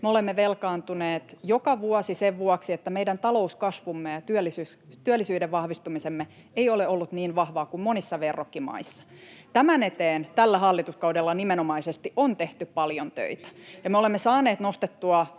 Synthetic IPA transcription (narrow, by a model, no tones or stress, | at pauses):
meolemːeʋelkɑːnt̪uneːt̪jokɑʋuɑsiseʋʋuɑksiet̪ːæmeidænt̪ɑlo̞uskɑsʋumːejɑt̪yølːisyt̪yælːisyːdeʋʋɑhʋist̪umisemːe | eioleolːut̪niːnʋɑhʋɑːkummonisːɑʋerːokːimɑ̰isːɑ̥t̪æmænet̪eːnt̪ælːæhɑlːit̪uskɑudelːɑnimenomɑisest̪iʔont̪eht̪yppɑljont̪ø̰it̪æ̥jɑmeolemːesɑːneːt̪nost̪et̪ːuɑ